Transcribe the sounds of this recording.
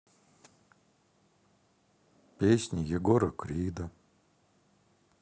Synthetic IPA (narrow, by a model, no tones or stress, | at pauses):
pʲesʲnʲijɛɡoɾɐkɾiːd̪ɐ